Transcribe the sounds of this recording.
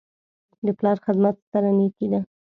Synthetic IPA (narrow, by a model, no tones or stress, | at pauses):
d̪əplɑɾxɪd̪mat̪st̪aɾaneked̪a